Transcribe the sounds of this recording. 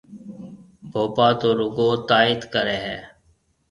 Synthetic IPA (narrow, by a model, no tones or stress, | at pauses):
bʱoːpaːt̪oːɾʊɡoːt̪aːɪt̪kəɾeːɦɛː